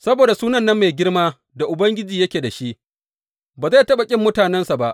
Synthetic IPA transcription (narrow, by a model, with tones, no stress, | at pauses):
sɐ˦boː˨da˨suː˦nɐ˦˨nːɐ˦mːe˨jɡʲɪ˦ɽmaː˦ | da˨ʔʊ˨bɐ˦ŋɡʲɪ˦d͡ʒiː˨jɐ˦kʲeː˨da˨ʃi˦ʔ | baː˨za˦˨tɐ˦ɓa˨kʲʼɪ˦mːʊ˦taː˨nɛ˦nsa˨ba˦ʔ